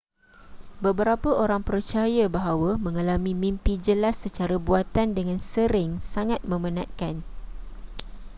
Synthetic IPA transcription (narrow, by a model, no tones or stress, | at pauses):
bəbəɾapəoɾaŋpərt͡ʃajabaɦawəmə̃ŋalamĩmĩmpid͡ʒəlasːət͡ʃaɾabuat̪andəŋãnsəɾɪŋsaŋat̪̚mə̃mənãt̪̚kan